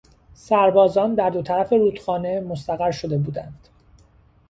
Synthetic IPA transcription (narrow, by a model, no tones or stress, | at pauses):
sæɾbɒːzɒːnd̪æɾd̪o̞t̪ʰæɾæfe̞ɾuːt̪xɒːne̞most̪æɣæɾʃo̞d̪e̞buːd̪ænd̪̥